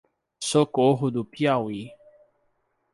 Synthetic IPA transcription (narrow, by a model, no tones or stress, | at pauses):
sokoɦud̪upjawi